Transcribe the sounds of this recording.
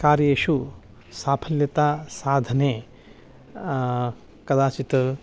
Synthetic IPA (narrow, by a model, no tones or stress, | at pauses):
kaːɾjɐeːʃu | saːpʰɐljɐt̪aːsaːd̪ʱɐneː | kɐd̪aːt͡ʃit̪